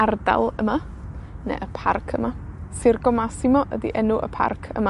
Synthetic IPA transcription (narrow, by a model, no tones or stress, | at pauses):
arda̰lˠəma | nḛʔəpʰarkʰəmasɪrɡɔmasɪmɔʔədḭʔɛnʊʔə̰pʰa̰rkʰə̰ma